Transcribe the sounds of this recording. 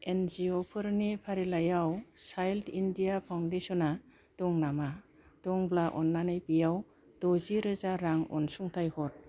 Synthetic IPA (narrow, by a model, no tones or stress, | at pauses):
enziɔpʰɯɾnipʰaɾilajawsajltʰindijapʰawndesɔna | dɔŋnama | dɔŋblaʔɔnlanɯjpijaw | d̥ɔziɾɯzaɾaŋɔ̰nsuŋtʰajhɔt̚